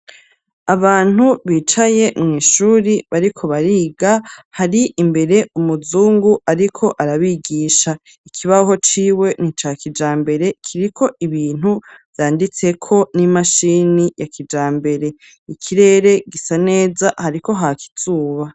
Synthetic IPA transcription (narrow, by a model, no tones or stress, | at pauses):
aβaːn̥huβiːt͡ʃaje̞mŋiːʃuːɾiβaɾikʰo̞βaɾiːɡahaɾiʔːmbe̞ɾe̞umuzuːŋɡuʔaɾikʰo̞ʔaɾaβiɡiːʃa | ikʰiβaɦo̞t͡ʃiːwe̞nit͡ʃakid͡ʒaːmbe̞ɾe̞kʰiɾikʰo̞iβiːn̥huv̥jaːndit͡se̞kʰo̞nimaʃiːnijakid͡ʒaːmbe̞ɾe̞ | ikʰiɾe̞ːɾe̞ɡisane̞ːzahaɾiko̞ɦakʰi̥z̥uːβa